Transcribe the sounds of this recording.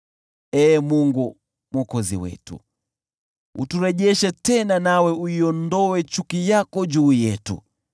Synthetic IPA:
ɛːmuŋɡu | mɔkɔzḭwɛ̰tṵ | ṵtuɾɛʄɛʃɛtɛnanawɛuiɔndɔwɛt͡ʃukijakɔd͡ʒuːjɛtṵ

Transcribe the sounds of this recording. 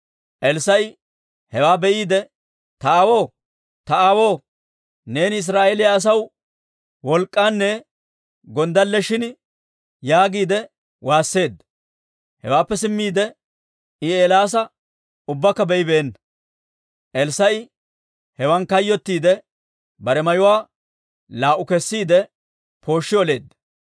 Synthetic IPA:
ʔɛlsɐj | hɛwaːbɛʔiːd̪ɛ | t̪ɐawo̞ː | t̪ɐawo̞ː | ne̞ːnɪs̬ɾaːʔeːlɪjaːs̬ɐw | wɔlkʼːaːnːɛ | ɡɔnd̪ɐlːɛʃɪn | jaːɡiːd̪ɛ | waːsːe̞ːd̪ːɐ | hɛwaːpːɛsɪmːiːd̪ɛ | ɪeːlaːs̬ɐ | ʊbːɐkːɐbɛjɪbeːnːɐ | ʔɛlsɐjɪ | hɛwɐnkɐjːɔt̪ːiːd̪ɛ | bɐɾɛmɐjʊwaː | laːʔʊkɛsːiːd̪ɛ | pʰo̞ːʃːɪjɔle̞ːd̪ːɐ

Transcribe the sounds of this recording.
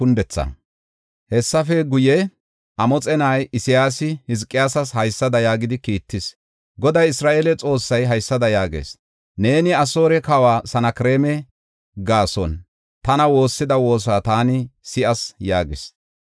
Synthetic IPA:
kʊnd̪ɛt͡sːɐ̰ | hɛsːɐfɛɡʊjɛ | ʔɐmɔt͡sʼɛnajɪsɪjaːsɪhɪzkʼːɪjaːsɐshɐjsːɐd̪ɐjaːɡɪd̪ɪkiːt̪ːɪs | ɡɔd̪ɐjɪsɾaːʔelɛt͡sʼo̞ːsːɐjɦɐjsːɐd̪ɐjaːɡḛːs | ne̞ːnɪɐso̞ːɾɛkɐwaːsɐnɐkɪɾeːmɛ | ɡaːsɔ̰n | t̪ɐnɐwo̞ːsːɪd̪ɐwo̞ːs̬aːt̪aːnɪsɪʔɐsjaːɡɪs

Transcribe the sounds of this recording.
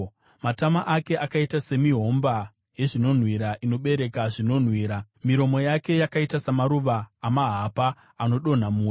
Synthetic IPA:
matamaʔake̞ʔakaitase̞miɦo̞mba | je̞ʐino̞n̤wiɾaʔino̞ɓe̞ɾe̞kaʐino̞n̤wiːɾa | miɾo̞mo̞jake̞jakaitasamaɾuʋaːmaɦapaː | no̞ɗo̞n̤amuː

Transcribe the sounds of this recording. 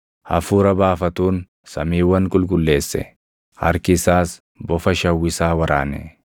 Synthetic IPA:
hɐ̰fuːɾɐbaːfɐt̪uːn | sɐmiːwːɐŋkʼʊlkʼʊlːe̞ːsːɛ̰ | ʔɐ̰ɾkɪsaːs | bɔfɐʃɐwːɪsaːwɐɾʔa̰ːnɛ̰

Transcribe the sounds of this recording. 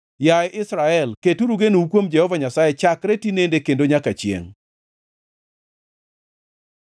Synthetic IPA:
jajʔɪsɾaɛlketuɾuɡenuukwomd͡ʒɛhɔvaɲasajet͡ʃakɾetinendekendoɲakat͡ʃjḛŋ

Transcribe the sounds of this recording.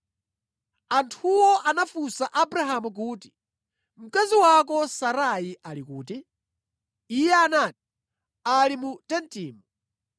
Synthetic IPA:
antʰuwɔʔanafusaʔabɾaɦamuk̬uːti̥ | m̩kaziwakɔsaɾaiʔalikuːti | ijɛanati̥ | alimutɛntiːmu

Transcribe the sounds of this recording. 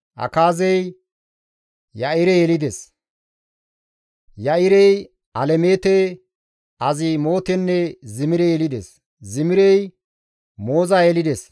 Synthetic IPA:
ʔɐ̰kaːzɛj | jɐɪɾɛjɛlɪd̪ɛs | jɐɪɾɛj | ʔɐlɛmeːt̪ɛ | ʔɐzɪmo̞ːt̪ɛnːɛzɪmɪɾɛjɛlɪd̪ɛs | zɪmɪɾɛj | mo̞ːzajɛlɪd̪ɛs

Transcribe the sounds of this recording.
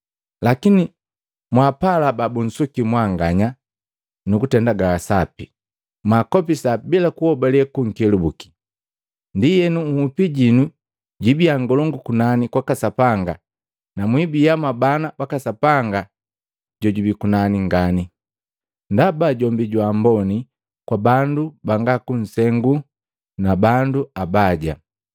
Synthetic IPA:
lakini | mwapalababun̩sukimwaŋɡaɲa | nukutɛndaɡaːsapi | makɔpisabilakuhɔbalɛkuŋ̩kɛlubuki̥ | ndijɛnuŋ̩hupiɟinu | ɟibiaŋɡɔlɔŋɡukunanikwakasapaŋɡa | namwibijamabanabakasapaŋɡa | ɟɔɟubikunaniŋɡani | ndabaɟɔmbiɟwambɔni | kwabandubaŋɡakun̩sɛŋɡu | nabanduabaɟa̰

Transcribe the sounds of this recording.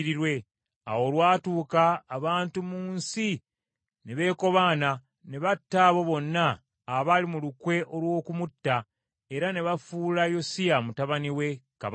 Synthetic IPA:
ɾiɾwe̞ | a̰wo̞lwaːtuːkaːβaːntumuːnsi | ne̞βe̞ːko̞βaːna | ne̞βatːaβo̞βo̞nːaː | βalimulukwe̞ʔo̞lwo̞ːkumutːa | e̞ɾane̞βafuːlajo̞sijamutaβaniwe̞ka̰β

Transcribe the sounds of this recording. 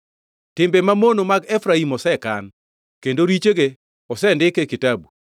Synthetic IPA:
tɪmbemamonomaɡɛfɾaimɔsɛkan | kendoɾit͡ʃeɡe | ɔsɛndɪkekɪtabu

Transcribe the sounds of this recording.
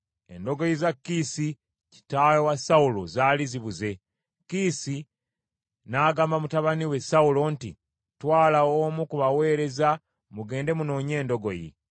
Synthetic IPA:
e̞̰ndo̞ɡo̞jizakːisi | ci̥tajowasaulo̞̰zaːliziβuze̞ | kisi | naːɡaːmbamutaβaniwe̞saulo̞ntḭ | twaːlaoːmukuβawe̞ːɾe̞za | muɡe̞ːnde̞muno̞ːɲe̞ːndo̞ɡo̞jḭ

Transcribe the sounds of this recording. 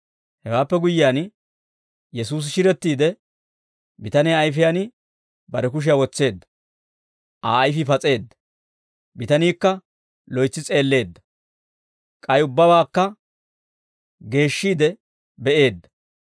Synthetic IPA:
hɛwaːpːɛɡʊjːɪjaːn | jɛsuːs̬ʃɪɾɛt̪ːiːd̪ɛ | bɪt̪ɐneɐjfɪjanɪ | bɐɾɛkʊʃ̬ɪjawɔt͡sːe̞ːd̪ːɐ̥ | ʔaːjfɪfɐt͡sʼe̞ːd̪ːɐ | bɪt̪ɐniːkːɐ | lɔjt͡sːɪt͡sʼe̞ːlːe̞ːd̪ːɐ̥ | kʼɐjʊbːɐbaːkːɐ | ɡe̞ːʃːiːd̪ɛ | bɛʔe̞ːd̪ːɐ̥

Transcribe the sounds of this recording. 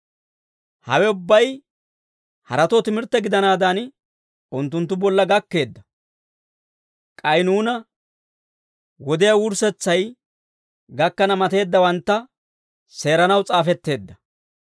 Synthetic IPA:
hɐ̰wɛʊbːɐj | hɐ̰ɾɐt̪ot̪ɪmɪɾt̪ːɛɡɪd̪ɐnaːd̪an | ʊnt̪ːʊnt̪ːʊbɔlːɐɡɐkːe̞ːd̪ːɐ | kʼɐjnuːnɐ | wɔd̪ɪjɐwʊɾsɛt͡sːɐj | ɡɐkːɐnɐmɐt̪e̞ːd̪ːɐwɐnt̪ːɐ | se̞ːɾɐnɐwt͡sʼaːfɛt̪ːe̞ːd̪ːɐ

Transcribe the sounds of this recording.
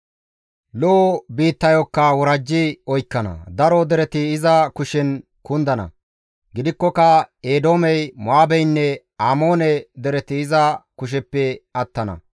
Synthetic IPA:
lobiːt̪ːɐjɔkːɐwɔɾɐd͡ʒːɪɔjkːɐnɐ̰d̪ɐɾɔd̪ɛɾɛt̪ɪːzɐkʊʃɛn | kʊnd̪ɐnɐ̰ | ɡɪd̪ɪkːɔkɐeːd̪o̞ːmɛjmʊaːbɛjnːɛ | aːmo̞ːnɛd̪ɛɾɛt̪ɪɪzɐkʊʃ̬ɛpːɛɐt̪ːɐnɐ̰

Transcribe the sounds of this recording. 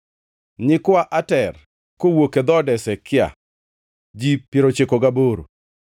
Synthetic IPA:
ɲɪkwaʔatɛr | kowoked̪ɔdɛsɛkɪa̰ | d͡ʒipiɾot͡ʃekɔɡaboɾo̰

